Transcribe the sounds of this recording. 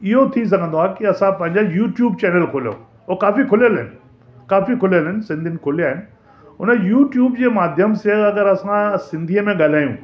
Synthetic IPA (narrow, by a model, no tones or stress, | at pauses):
ɪɦot̪ʰis̬ɐɡʱə̃nd̪oakiɐsãpɐ̃ɦɪ̃ɲd͡ʑajuːʈjuːb̚t͡ɕɛːnəlkʰʊljo̰ | okaːfikʰʊljəlɦɪnɪ̆ | kaːfikʰʊlijəlɪnɪsɪ̃nd̪ʱɪnɪ̆kʰʊlijaːɦɪnɪ̆ | ɦʊnəjuːʈjuːbd͡ʑeːmaːd̪ʱjəmseɐɡəɾɐsãsɪ̃nd̪ʱiəmẽɠaːl̤aːjũː